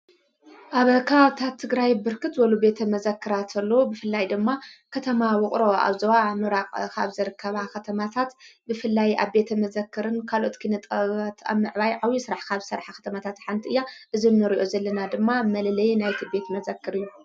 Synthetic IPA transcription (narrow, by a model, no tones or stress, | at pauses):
ʔaβɐkʰɐβaβt̪ʰat̪ʰːɨɡɾajbɨɾkɨt̪wɐlube̞t̪ʰɐmɐzɐkʰːɨɾat̪ʰɐlːobɨfɨlːajd̪ɨmːakʰɐt̪ʰɐmawʊχʼɾo̞a̰βzɐwamɨɾaqʼkʰaβzɨɾɨkːɐβakɐt̪ʰɐmat̪ʰat̪bɨfɨlːajʔa̰βbe̞t̪ʰɐmɐzɐkːɨɾɨnkʰalot̪kʰɨnɨt̪ʼɐβat̪ʰa̰βmɨʕβajʕawisɨɾaħkʰaβsɐɾħakʰɐ̥t̪ʰɐmat̪ʰat̪ħant̪ʰiʔɨjːaʔɨzinːɨɾiʔo̞zɐlːɐnad̪ɨmːamɐlɐlɐjnajt̪ʰibe̞t̪mɐzɐkːɨɾɨjːu